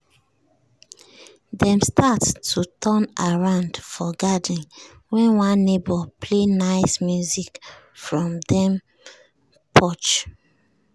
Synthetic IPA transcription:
dɛ̃mstattʰutʰɔnaɹãʊ̃ndfɔɡadĩn | wɛ̃nwãnːebɔpʰlenaɪsmjuzik | fɹɔ̃mdɛ̃m | pʰɔt͡ʃ

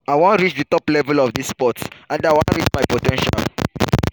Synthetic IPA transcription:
ajwãntɹit͡ʃdətɔplɛvəlɔfdisːpɔtsãndawãntɹit͡ʃmajpotɛ̃nʃa̰l

